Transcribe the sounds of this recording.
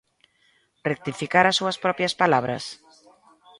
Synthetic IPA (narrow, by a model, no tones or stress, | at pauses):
rek̚t̪ifikaɾasːuɐspɾɔpjaspalaβɾɐ̰s